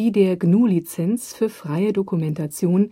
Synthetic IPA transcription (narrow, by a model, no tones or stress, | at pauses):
iːdeːɐɡnuːlit͡sɛnsfyːɐfʁ̥aɪədokumɛntat͡sjoːn